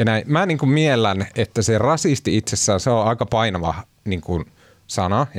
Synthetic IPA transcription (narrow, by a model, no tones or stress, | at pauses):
jɑnæimmæniːŋkummielːænet̪ːæserɑsist̪iit̪sesːæːnseoɑikɑpɑinɑʋɑ | niːŋkun | sɑnɑ